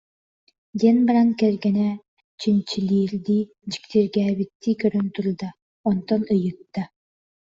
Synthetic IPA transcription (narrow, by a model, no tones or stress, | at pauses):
d̪ɛnbaɾaŋkɛɾɡɛnɛ | t͡ɕint͡ɕilʲiːɾd̪i | d͡ʒi̥kt̪iɾɡæːβit̪ːikøɾønt̪uld̪a | ɔnt̪ɔnɯjɯt̪ːa